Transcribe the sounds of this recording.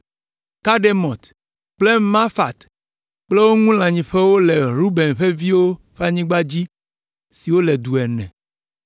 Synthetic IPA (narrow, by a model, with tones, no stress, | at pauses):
ka˦ɖe˦mɔ̃˨t̪ | k͡ple˦mã˦fa˨t̪ | k͡ple˦wo˦ŋũ˦l̃ã˨ɲĩ˨ɸe˦wo˦lɛ˨ɾu˦bɛ˨nɸe˦vi˦wo˦ | ɸe˦a˦˨ɲĩ˦ɡ͡ba˦d͡ʑi˦ | si˨wo˦lɛ˨d̪u˨ɛ˨nɛ̰̃˨